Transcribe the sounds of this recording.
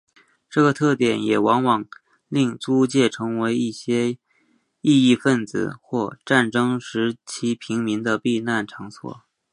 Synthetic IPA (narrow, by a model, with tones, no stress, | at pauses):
ʈ͡ʂɤ˥˩ɡə˩t̪ʰɤ˥˩t̪jɛ˨˩njɛ˨˩wɑ˧˥ŋwɑ˨˩ŋ | li˥˩ŋt͡su˥t͡ɕjɛ˥˩ʈ͡ʂʰɤ˧˥ŋwe˧˥ɪi˥˩ɕjɛ˥ | i˥˧i˥˧fə˥˩nt͡sɹ̩̰˨˩xwɔ˥˧ʈ͡ʂa˥˩nʈ͡ʂɤ˥ŋʂɻ̩˧˥t͡ɕʰi˧˥pʰi˧˥ŋmi˧˥ŋd̪ə˧pi˥˧na˥˩nʈ͡ʂʰɑ˧˥ŋswɔ̰˨˩˦